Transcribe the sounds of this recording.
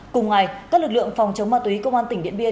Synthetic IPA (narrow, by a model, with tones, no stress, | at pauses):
kʊ˨˩ŋ͡mŋa˨˩jaː˦˥k̚lɨ˨˩k̚lɨ̰˧˨əŋfɔ˨˩wŋ͡mt͡ɕə˨˦wŋ͡mmaː˧˩t̪wi˨˦kə˧wŋ͡mʔaː˧nt̪ï˧˩ŋ̟ɗḭ˧˨ənɓi˧ə